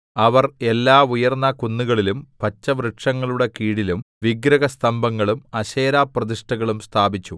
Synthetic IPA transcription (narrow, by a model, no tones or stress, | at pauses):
ɐʋɐre̞lːaːujɐrnːɐkunːuɣɐɭilumpɐt͡ɕːɐʋɾeʈʂɐŋːɐɭuɽe̞kiːɽilum | ʋiɡɾɐɣɐst̪ʰɐmbʱɐŋːɐɭumɐɕeːɾaːprɐd̪iʂʈɐɣɐɭumst̪ʰaːbit͡ɕːu